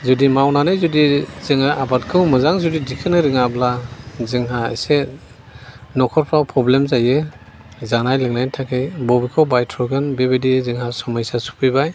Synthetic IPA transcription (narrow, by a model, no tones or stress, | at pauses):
zudimawnanɯjzudiz̥ɯŋaʔabatkʰɯwmɯzaŋzudidikʰɯnɯɾɯŋablazɯŋɦaḛse | nɔkʰɔɾpʰɾawpʰɾɔblemzajɯ | zanajlɯŋnajntʰakʰejbɔbikʰɔwbajtʰɾɔɡɯnbebedizɯŋhasɔmajsasu̥pʰijbaj